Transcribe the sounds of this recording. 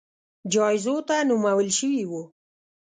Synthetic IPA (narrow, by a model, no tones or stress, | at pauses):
d͡ʒɑɪzot̪anumawəlʃəwiwu